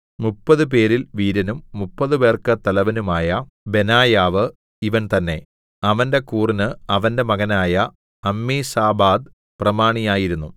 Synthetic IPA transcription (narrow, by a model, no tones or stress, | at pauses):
mupːɐðɨp̬e̞ːɾilʋiːɾɐnumːupːɐðɨbe̞ːrkɨt̪ɐlɐʋɐnumaːjɐ | be̞naːjaːʋɨ | iʋɐnt̪ɐnːe̞ | ɐʋɐnde̞kuːrinɨɐʋɐnde̞mɐɣɐnaːjɐ | ɐmːiːsaːbaːd̪̚ | prɐmaːɳijaːjiɾunːu